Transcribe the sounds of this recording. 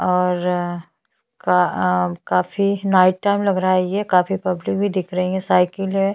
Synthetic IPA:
ɔːɾ | kakaːfinaːɪʈ̚ʈaːɪmlɐɡɾaajekaːfipɐblɪk̚bʱid̪ɪkʰɾɐɦĩɛ̃saːɪkəlɦɛ̃

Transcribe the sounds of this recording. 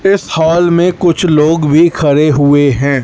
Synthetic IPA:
ɪshaːlmẽkʊt͡ʃʰloːɡbʱikʰɐɾeɦʊeɦɛ̃ː

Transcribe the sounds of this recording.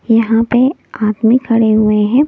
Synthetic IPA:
jɐɦãpe | aːt̪mikʰɐɽeɦʊeɦɛ̃ː

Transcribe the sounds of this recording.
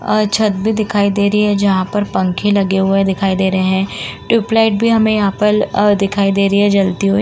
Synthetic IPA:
t͡ʃʰɐt̪̚bʱid̪ɪkʰaːid̪eːɾɐɦiɦɛd͡ʒɐɦãpɐɾpɐ̃ŋkʰẽlɐɡeɦʊed̪ɪkʰaːid̪eːɾɐɦeɦɛ̃ʈɾɪːplaːɪʈ̚bʱiɦɐmẽjɐɦãːpɐɾd̪ɪkʰaːid̪eːɾɐɦiɦɛd͡ʒɐlt̪iɦo

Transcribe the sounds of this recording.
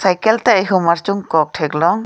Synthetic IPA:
sajkɛlt̪ɛjɦumaɾt͡ʃuŋkɔk̚ʈʰɛklɔŋ

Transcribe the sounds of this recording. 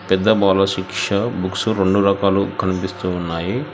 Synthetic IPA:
pɛd̪ːɐbaːlɐʃikʂɐbʱuksuɾe̞ɳɖuɾɐkaːlukʰɐnipist̪uːnːaːji

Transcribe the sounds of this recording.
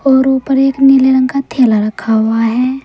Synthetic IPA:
ɔːɾopəɾeːknɪleɾə̃ŋɡkat̪ʰeːlaɾəkʰaɦʊaɦɛː

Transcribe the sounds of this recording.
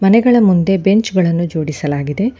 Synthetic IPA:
mɐnɛɡɐɭɐmund̪e̞be̞ɲt͡ʃɡɐɭɐnːud͡ʒo̞ːɽisɐlaːɡid̪e̞

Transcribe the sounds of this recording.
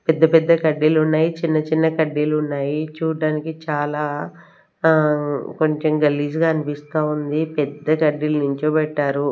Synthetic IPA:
pɛd̪ːɐpɛd̪ːɐkɐɖːiːlunːaːjit͡ʃinːɐt͡ʃinːɐkɐɖːilunːaːjit͡ʃuːɖaːnikit͡ʃaːlaː | ko̞ɲt͡ʃemɡɐlːiːsɡaːɐnipist̪aːund̪ipɛd̪ːɐkɐɖːilɐnuɲt͡ʃuːpɛʈːaːɾu

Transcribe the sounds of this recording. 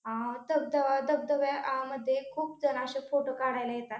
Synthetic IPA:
ɦãd̪əb̚d̪əʋad̪əb̚d̪əʋaaməd̪ʱːjekʰuːpd͡zənaɕəfoʈokaɽajləjet̪at̪

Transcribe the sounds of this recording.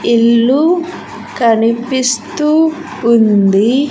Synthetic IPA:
ilːu | kɐnipist̪uː | nd̪i

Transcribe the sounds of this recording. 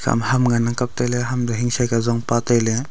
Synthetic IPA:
kʰa̰mhamɡanakap̚t̪alɛɦamd̪ɔɦiŋsajkazɔŋpat̪ajlɛ

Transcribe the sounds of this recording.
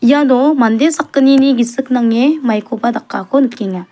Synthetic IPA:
ijad̪ɔmand̪esakːəniniɡisɯk̚naŋemajkʰobad̪aqːakʰonɯkːiŋa

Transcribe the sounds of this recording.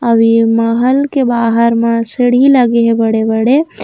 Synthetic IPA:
əʋiməɦəlkebaːɦəɾmẽsəɽ̤iləɡeɦebəɽebəɽe

